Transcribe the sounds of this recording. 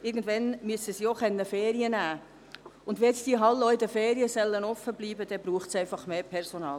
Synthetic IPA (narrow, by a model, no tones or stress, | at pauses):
ɪɡən̩dvʋɛnmyəsəsiːoχɛnːəfeːɾiənæː | ʊndʋɛːɛt͡stiəɦɑlːoɪdəfeːɾiəsɛlːənɔfːəbliːbəd̥ɛbɾuːχtsɛɪfɑχmeːpʰɛɾsonɑːl